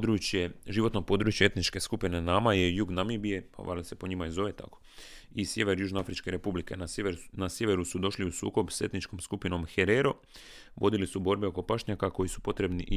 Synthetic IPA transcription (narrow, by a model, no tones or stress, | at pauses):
d̪ɾut͡ʃjeʒiʋot̪nopo̞d̪ɾuːt͡ʃjee̞t̪nit͡ʃke̞skupine̞naːmajejuɡnamibije̞pa̰ʋa̰lise̞po̞ɲimaizo̞ʋe̞t̪a̰ko̥isje̞ʋe̞ɾjuːʒnoafɾit͡ʃke̞ɾe̞publike̞nanasje̞ʋeɾusud̪o̞ʃliusṵːko̞bse̞t̪nit͡ʃko̞mskupino̞mxeɾeɾo̞ | ʋo̞̰d̪ilisubo̞ɾbeoko̞paʃɲakako̞jisu̥po̞t̪ɾe̞bniʔ